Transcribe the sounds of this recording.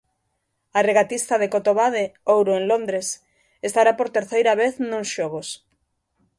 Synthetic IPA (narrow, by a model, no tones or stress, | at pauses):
areɣat̪ist̪aðekot̪oβaðeowɾoeŋlõnd̪ɾes | est̪aɾapoɾt̪eɾθejɾaβ̞eθnõŋsʃoɣ̞os